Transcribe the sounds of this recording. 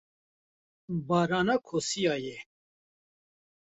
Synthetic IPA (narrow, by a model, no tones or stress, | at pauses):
bɑːɾɑːnɑːkʰoːsijɑːjɛ